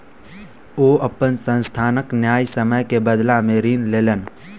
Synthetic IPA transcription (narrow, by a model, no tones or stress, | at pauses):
oːʔəpːənsə̃nst̪ʰaːnəknjaːjsəməjkebəd̪lameːɾiːnleːlən